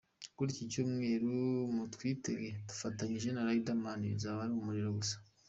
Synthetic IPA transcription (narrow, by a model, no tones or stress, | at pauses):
kuɾicicuːmŋe̞ːɾumutwiːteɡetu̥fataɲiʒe̞naɾaidamanizaβaɾimumuɾiɾoɡusḁ